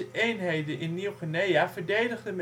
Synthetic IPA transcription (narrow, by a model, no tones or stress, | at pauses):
əʔejnɦejdənʔɪnːiwχənejavəɹdejdəχdəm